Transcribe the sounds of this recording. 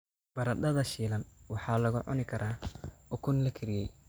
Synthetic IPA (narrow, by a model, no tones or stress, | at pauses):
b̥ɐɾɐd̪ɐðɐʃiːlɐnwɑħɑːlɐɣʊ̰ʕʊ̰nɪkʰɐɾʔaːʊkʰʊnlɐkʰɪɾɪjɛj